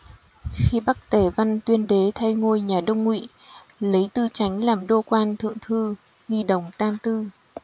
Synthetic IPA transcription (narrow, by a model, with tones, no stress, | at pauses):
xi˧ɓa˦˥k̚t̪e˧˩va˧nt̪wi˧ənɗe˨˦t̪ʰa˧jŋo˧jɲaː˨˩ɗə˧wŋ͡mːwḭ˧˨lə˨˦jt̪ɨ˧t͡ɕa˨˦jŋ̟laː˨˩mɗo˧kwaː˧nt̪ʰɨ̰˧˨əŋt̪ʰɨ˧ | ŋi˧ɗə˨˩wŋ͡mt̪aː˧mt̪ɨ˧